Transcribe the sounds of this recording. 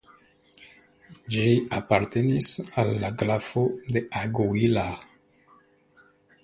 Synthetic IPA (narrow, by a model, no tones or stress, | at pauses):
d͡ʒiapaɾte̞nisalːaɡɾafod̪e̞ʔaɡuila